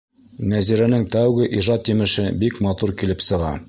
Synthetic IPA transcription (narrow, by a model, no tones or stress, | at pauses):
næziɾænɘŋt̪æwɡɘʔiʒɑt̪jɘ̆mɘ̆ʃɘbikmɑt̪uɾkilɘpsɤ̆ʁɑ̰